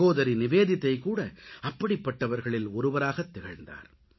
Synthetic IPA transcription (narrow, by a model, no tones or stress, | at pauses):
oːðɐɾinɪʋeːðɪt̪ːɐɪkuːɽɐɐpːɐɽɪpːɐʈːɐʋɐɾɣɐɭɪlɔɾɯʋɐɾaːɣɐt̪ːɛɣɐɻnd̪a̰ːɾ